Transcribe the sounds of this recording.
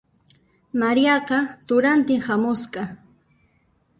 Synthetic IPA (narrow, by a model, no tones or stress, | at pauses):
maɾjɑqɑt̪ʊɾant̪ɪŋhamʊsqɑ